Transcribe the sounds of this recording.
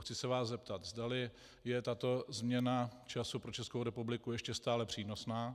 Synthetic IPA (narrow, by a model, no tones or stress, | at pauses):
xt͡sɪsɛvaːszɛpt̪at̪zdalɪ | jɛt̪at̪o̞zmɲɛnat͡ʃasupɾo̞t͡ʃɛskowɾɛpublɪkujɛʃcɛst̪aːlɛpr̝̥iːno̞snaː